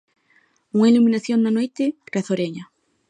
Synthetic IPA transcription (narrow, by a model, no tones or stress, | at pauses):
uŋailumĩnaθjonnanojt̪ereθoɾeɲa